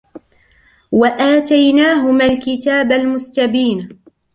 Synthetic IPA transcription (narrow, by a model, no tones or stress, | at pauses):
waʔaːt̪ajnaːɦʊmalkɪt̪aːbalmʊst̪abiːn